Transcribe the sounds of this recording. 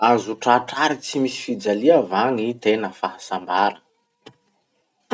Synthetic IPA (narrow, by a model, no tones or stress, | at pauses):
anzuʈ͡ʂaʈ͡ʂaɾit͡simisi̥fid͡zaliavaŋit̪enəfaɦasambaɾə